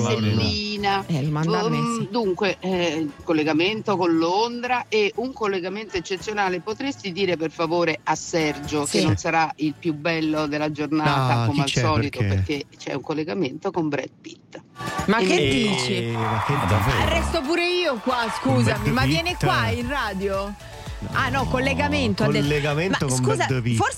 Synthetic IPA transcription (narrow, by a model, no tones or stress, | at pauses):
selːiːna | d̪uŋkwekolːeɡament̪okonlond̪ɾaeuŋkolːeɡament̪oet͡ʃːet̪sːjonaːlepot̪ɾest̪id̪iːɾeperfavoːɾeasːɛrd͡ʒokennːonsaɾailpjubːɛlːod̪elːad͡ʒornaːt̪akomealsɔːlit̪opeɾrk̟ːet͡ʃɛ̰uŋkolːeɡament̪okombɾɛ̰d̪̚pit̪ːmakːed̪iːt͡ʃimakːearɛst̪op̬uːɾeiːokwaskuːzamimavjɛːnekwainraːd̪jo | anɔkolːeɡament̪oaelːeɡamenmaokskuːzapifos